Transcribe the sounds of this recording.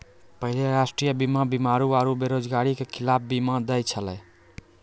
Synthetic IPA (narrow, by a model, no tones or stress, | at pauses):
pəɦileɾasʈɾijəbimabimaɾuaɾubeɾod͡ʒɡaɾikekʰilap̚ʰbimad̪əjt͡ʃʰəlɛj